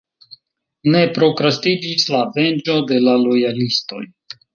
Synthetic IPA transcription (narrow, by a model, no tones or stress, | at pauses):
ne̞pɾo̞kɾastid͡ʒislave̞nd͡ʒo̞de̞lalo̞jalisto̞̰j